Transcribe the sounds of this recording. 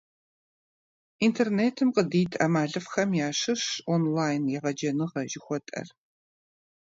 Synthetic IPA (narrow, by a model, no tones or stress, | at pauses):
intʰerneːtʰɨmqədiːtʰɐmaːɮɨfxɐmjaːʂɨʂonlaːjnjɛʁɐd͡ʒɐnɨʁɐʒɪxʷɔtʼɐ̰r